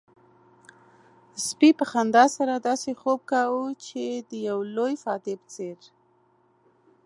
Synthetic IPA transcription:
spipəxand̪ɑsaɾad̪ɑsexob̚kawut͡ʃed̪əjawlojfɑt̪epə̥t͡seɾ

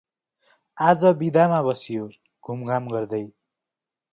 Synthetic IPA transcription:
ad͡zʌbid̪amabʌsijo | ɡ̥ʱumɡamɡʌrd̪ʌj

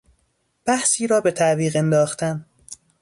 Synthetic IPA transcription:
b̥æhsiːɾɒːbe̞t̪ʰæʔviːɣe̞nd̪ɒːxt̪ʰæn

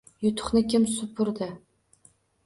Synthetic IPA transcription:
jʊt̪ʰʊ̥χnɪkʲʰɪmsʊpʰʊɾd̪ɪ

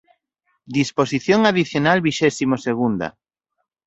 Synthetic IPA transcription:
d̪isposiθjoŋaðiθjonalβiʃɛsimoseɣ̞und̪a̰

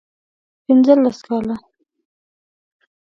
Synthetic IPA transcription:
pɪnzəlːaskɑla

